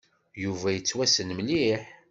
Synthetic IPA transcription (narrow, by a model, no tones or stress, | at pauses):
juvæjət͡sːwæsənmliħ